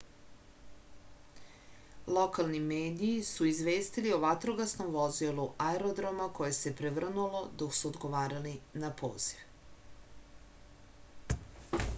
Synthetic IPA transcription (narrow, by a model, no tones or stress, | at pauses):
lˠo̞kalˠnimeːd̪iːsuizʋeːst̪ilioʋat̪ɾoɡasno̞mʋozilˠuʔaeɾo̞d̪ɾomako̞je̞se̞pɾeʋr̩nulo̞d̪o̞ksuod̪ɡo̞ʋaːɾalinapʰo̞̰ːz̥iʋ